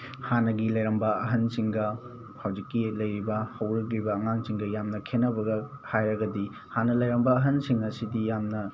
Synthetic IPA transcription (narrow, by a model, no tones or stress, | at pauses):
hanɐɡilɐjɾɐmbɐɐɦɐnsiŋɡɐ | pʰawzikːilɐjɾibɐhɐwɾɐklibɐːŋaŋsiŋɡɐjamnɐkʰenːɐbɐɡɐ | hajɾɐɡɐdi | hanɐlɐjɾɐmbɐːɦɐnsiŋɐsidijamnɐ